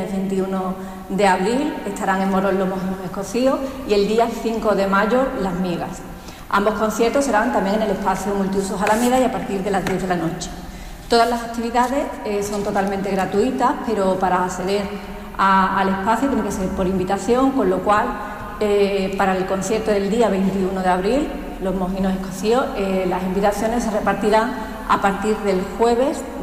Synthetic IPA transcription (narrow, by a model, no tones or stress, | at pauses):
eβe̞nt̪iuno | d̪e̞aβ̞ɾile̞st̪aɾaŋẽ̞mmoɾo̞lːomoɦose̞hko̞θio̞sie̞ld̪iaθiŋko̞ðe̞maʝolazmje̞ɣa̰s | ʔa̰mbo̞hkõ̞n̟θje̞ɾt̪ose̞ɾant̪ambje̞ŋene̞le̞hpaθjomult̪iusoɦalamje̞ðaiapaɾt̪iɾðe̞lazðje̞ðelano̞t͡ʃe̥ | t̪oðazlasak̚t̪iβ̞iðaðe̞seso̞nt̪o̞t̪almẽnt̪e̞ɣɾat̪uit̪ahpe̞ɾo̞paɾaːθe̞ðe̞ɾ | aːle̞hpaθjut̪jeneŋkese̞ɾpo̞ɾimbit̪aθjo̞ŋko̞nlo̞kwal | epaɾaelko̞n̟θje̞ɾt̪oðe̞ld̪iaβ̞e̞jnt̪iunoðeaβɾil | lo̞zmo̞ɦinose̞koθio̞elasimbit̪aθjo̞ne̞sːe̞re̞paɾt̪iɾaŋ | a̰paɾt̪iɾðe̞lxwe̞β̞e̞s